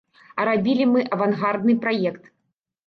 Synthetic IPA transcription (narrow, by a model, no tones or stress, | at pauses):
ɐɾabʲilʲimɨʔɐvanɣard̪nɨpɾajɛkt̪